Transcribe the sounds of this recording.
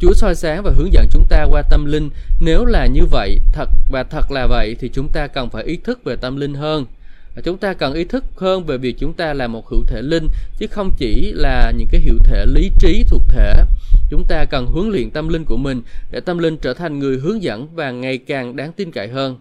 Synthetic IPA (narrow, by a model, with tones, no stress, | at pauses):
t͡ɕu˨˦əsɔ˧jsaː˨˦ŋvaː˨˩ɦɨ˨˦əŋzə̰˧˥nt͡ɕʊ˨˦ŋ͡mt̪aː˧kwaː˧t̪ə˧mlï˧ŋ̟ne˨˦wlaː˨˩ɲɨ˧və̰˧˨jt̪ʰə˨˩t̚vaː˨˩t̪ʰə˨˩t̚laː˨˩və̰˧˨jt̪ʰi˨˩t͡ɕʊ˨˦ŋ͡mt̪aː˧kə˨˩nfaː˧˩jʔi˨˦t̪ʰɨ˦˥k̚ve˨˩t̪ə˧mlï˧ŋ̟ɦəː˧n˩ | t͡ɕʊ˨˦ŋ͡mt̪aː˧kə˨˩nʔi˨˦t̪ʰɨ˦˥k̚həː˧nve˨˩vi˨˩ək̚t͡ɕʊ˨˦ŋ͡mt̪aː˧laː˨˩mo˨˩t̚hḭ˧˩˥wt̪ʰe˧˩lï˧ŋ̟t͡ɕɨ˨˦xə˧wŋ͡mt͡ɕi˧˩laː˨˩ɲɨ̰˧˥ŋkaː˨˦jɦḭ˧˨əwt̪ʰe˧˩li˨˦t͡ɕi˨˦t̪ʰʊ˨˩ək̚t̪ʰe˧˩t͡ɕʊ˨˦ŋ͡mt̪aː˧kə˨˩nɦɨ˨˦əŋlḭ˧˨ənt̪ə˧mlï˧ŋ̟ku˧˩əmï˨˩ŋ̟ɗe˧˩t̪ə˧mlï˧ŋt͡ɕəː˧˩t̪ʰa˨˩jŋ̟ŋɨ˨˩əjɦɨ˨˦əŋzə̰˧˥nvaː˨˩ŋa˨˩jkaː˨˩ŋɗaː˨˦ŋt̪i˧nka̰˧˨jɦəː˧n